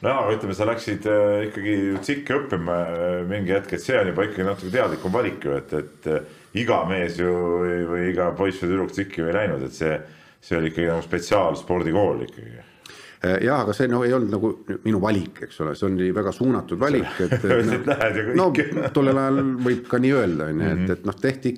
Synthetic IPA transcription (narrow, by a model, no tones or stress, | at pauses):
noɑɡɑyt̪ːˑlemesɑlæksid̪̥ikːɑɡ̥ijut̪sikːiɤpːimɑmiŋɡijæt̪ket̪se̞onʲjubɑikːˑɑɡ̥inɑt̪ːˑu̥kːet̪e̞ɑd̪̥likːˑumvɑlʲikːjuet̪ːˑet̪ː | iɡ̥ɑme̞ːsjujvɯjiɡɑpo̞jsfed̪yɾukt̪sikːiojlæjnud̪et̪se̞ː | se̞o̞lʲikːɑɡinɑɡuspe̞t̪siɑːlspo̞rd̪̥iko̞ːlḭkːɑ̰ɡ̥ḭ | jɑhɑɡ̥ɑse̞ːno̞hejolnd̪̥nɑɡ̥uminuvɑlʲikːˑe̞ksolḛseonnivæɡ̥ɑsuːnɑt̪ːˑud̪vɑlʲikːˑet̪ːet̪læhed̪jɑknnot̪o̞lːelɑjɑlvɤjb̥̚kɑnʲiːøeld̪̥ɑɑnʲːuet̪ːet̪ːno̞ht̪e̞ht̪i